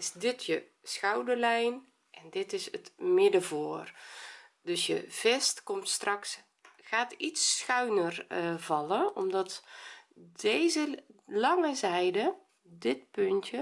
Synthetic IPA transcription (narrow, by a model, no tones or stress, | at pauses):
ɪsdɪtʰjə | sxawdərlɛjn | ʔɛndɪtɪsətmɪdəvoːr | døsjə̰v̥ɛstkɔmtstrɑks | xaːtitsxœɥnərvɑləɔmdɔt | dejzəlɑŋəzɛjdə | dɪt̚pøntjə